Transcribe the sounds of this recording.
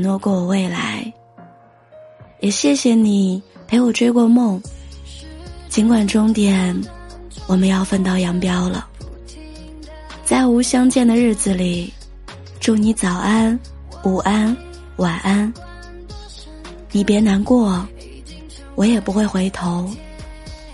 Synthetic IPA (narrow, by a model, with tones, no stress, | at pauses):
nwɔ˥˧kwɔ˥˩wɔ˨˩we˥˩ɪla̰˧˥ɪ | jɛ˨˩ɕjɛ˥˩ɕjɛ˨˩ni˨˩pʰe˧˥ɪjo˨˩ʊʈ͡ʂwe˥ɪkwɔ˥˧mʊ˥˩ŋ | t͡ɕi˧˥nkwa˨˩nʈ͡ʂʊ˥ŋt̪jɛ˨˩˦nwɔ˨˩mə˧˦njɑ˥˧ʊfə˥˧nt̪ɑ˥˩ʊjɑ˧˥ŋpjɑ˥ʊlə̰˨ | t͡sa˥˩ɪu˧˥ɕjɑ˥ŋt͡ɕjɛ˥˩nd̪ə˩ɻɻ̩˥˩d͡zɹ̩˩li˨˩ | ʈ͡ʂu˥˩ni˧˥t͡sɑ˨˩ʊʔa˥n | u˨˩ʔa˥n | wa˨˩nʔa˥n | ni˨˩pjɛ˧˥na˧˥nkwɔ˥˩ | wɔ˧˥jɛ˨˩pu˧˥xwe˥˩ɪxwe˧˥ɪt̪ʰo˧˥ʊ